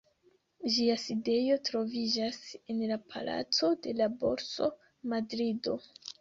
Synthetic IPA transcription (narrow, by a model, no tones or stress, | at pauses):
ʒiaside̞jo̞tɾo̞vid͡ʒasenlapʰa̰la̰t͡so̞de̞labo̞̰ɾso̞ | madɾido̞